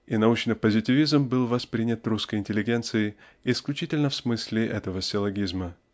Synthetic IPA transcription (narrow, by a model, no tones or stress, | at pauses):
inɐut͡ɕnɨpəzʲɪtʲɪvʲizmbɨlˠvɐspɾʲinʲət̪ruskəjɪnʲtʲɪlʲɪɡʲe̞nt̪sɨɪː | sklʲʉt͡ɕitʲɪlʲnəfsmɨsʲlʲɪʔɛt̪əvəsʲɪlˠɐɡʲizmə